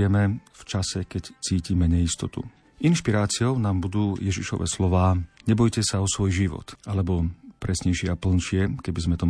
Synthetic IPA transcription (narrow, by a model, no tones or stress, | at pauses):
ɛmɛft͡ʃasɛkɛct͡siːcimɛɲɛist̪ɔt̪ṵ | inʃpiɾaːt͡sɪɔʊnaːmbud̪uːjɛʒiʃɔ̰ʋʔɛ̰ːslɔʋaːɲɛbɔjcɛsaɔsʋɔjʒiʋɔ̰t̪alɛbɔpɾɛsɲɛjʃɪɛapl̩nʃɪɛkɛbizmɛt̪ɔ